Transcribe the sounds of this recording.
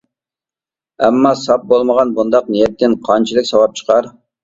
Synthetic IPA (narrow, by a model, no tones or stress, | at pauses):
ɛmːɑsɑp̚bolˠməʁɑnbund̪ɑqnijɛt̪ːɪnqʰɑnt͡ʃʰilˠɨkʲsɑwɑp̚t͡ʃʰə̥qʰɑɾ